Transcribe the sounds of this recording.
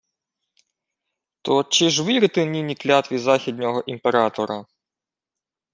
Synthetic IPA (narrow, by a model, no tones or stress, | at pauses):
t̪ɔt͡ʃɪʒʋɪɾɪt̪ɪnʲinʲiklʲat̪ʋʲizaxʲid̪ʲnʲɔɦɔʔimpeɾɑt̪ɔɾɐ